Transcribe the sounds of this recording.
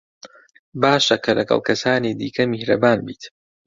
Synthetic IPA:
baːʃɐkʰɐlɐɡɐ̰lˠkʰɐsaːniːd̪ḭːkʰɐmihɾɐ̰baːnbiːt̪

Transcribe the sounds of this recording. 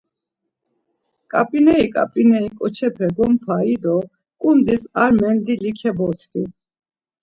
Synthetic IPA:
kʼapʼinɛikʼa̰pʼinɛikʼɔt͡ʃʰɛpʰɛɡɔmpʰaid̪ɔ | kʼund̪isaɾmɛnd̪ilikʰɛbɔt̪ʰd̪i

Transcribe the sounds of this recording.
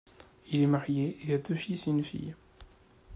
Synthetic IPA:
ilemaħjeʔeæt̪ːøfisinfḭj

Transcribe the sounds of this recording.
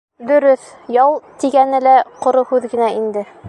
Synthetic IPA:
d̪ɵ̆ɾɵθ | jɑwˠt̪iɡænɘ̆læqŏɾohʉðɡɘ̆næind̪ɘ

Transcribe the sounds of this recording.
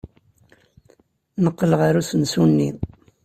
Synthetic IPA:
nəqːələʁaɾusənsunːi

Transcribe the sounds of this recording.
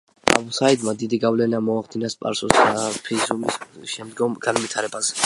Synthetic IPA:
a̰busaid̪mad̪id̪iɡavlɛnamɔaχd̪inaspʼa̰ɾsuspʰizumisʃɛmd̪ɡɔmɡ̥anvit̪ʰaɾɛbazɛ̥

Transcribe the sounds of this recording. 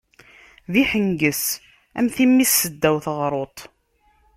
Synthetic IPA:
ðiħəŋɡəs | æ̰mθimːisːəd̪ːæwθəʁɾˤot̪ˤ

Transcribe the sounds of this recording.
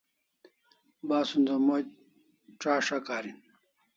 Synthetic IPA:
baːsund̪ɐmo | ʈ͡ʂaːʂakaːɾin

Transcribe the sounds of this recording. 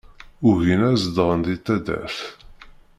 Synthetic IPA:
ʊʝinæzd̪ʁənd̪it̪ːæd̪æ̰θ

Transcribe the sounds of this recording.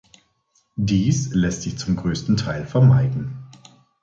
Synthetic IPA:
diːslɛstz̥ɪçt͡sʊmɡʁøːstn̩tʰaɪlfɛɐmaɪdn̩

